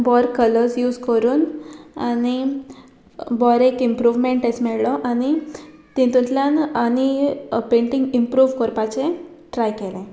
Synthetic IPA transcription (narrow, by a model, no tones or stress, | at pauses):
bɔɾkələɾsjuːd͡zkəɾuːnañi | bɔɾekimpɾuʋmeɳʈesmɛɭlɔʔañi | t̪ĩt̪ũt̪ljananipẽɳʈĩŋɡimpɾuːʋkɔɾpat͡ɕẽ | ʈɾajkelẽ